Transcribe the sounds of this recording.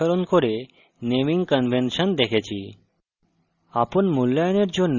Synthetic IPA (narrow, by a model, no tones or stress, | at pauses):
əɾonkoɾe | neʋiŋɡkənʋʱenʃənd̪ekʰet͡ɕʰi | apɔnmulːajneɾd͡ʒon